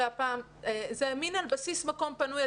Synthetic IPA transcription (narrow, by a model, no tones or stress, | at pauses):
apaːm | ezeaminalbasismako̞mpanuja